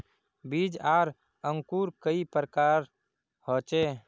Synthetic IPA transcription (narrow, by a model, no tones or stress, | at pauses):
biːd͡ʒaːɾ | əŋkuːɾkəipɾəkaːɾ | hɔːt͡ʃe